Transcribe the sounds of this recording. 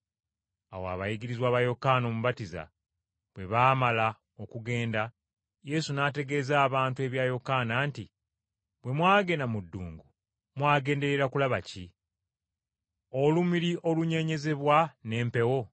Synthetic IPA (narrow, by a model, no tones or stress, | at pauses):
a̰woa̰βajiɡiɾizwaːβajo̞kaːno̞ːmuβatiza̰ | βwe̞βaːmala | okuɡe̞ːnda | je̞sunaːte̞ɡe̞ːzaːβaːntue̞βjaːjo̞kaːnaːnti | bwe̞mwaːɡe̞namudːṵːŋɡu | mwaːɡe̞ːnde̞ɾe̞ɾakulaβaci | olumiɾiʔo̞luɲe̞ɲe̞ze̞βwane̞ːmpe̞wo̞